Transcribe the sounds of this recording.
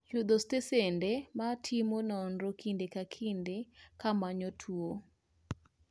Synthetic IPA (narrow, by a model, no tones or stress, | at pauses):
jud̪ostesendematʰimonɔnɾokindekakʰindekamaɲɔtʰuo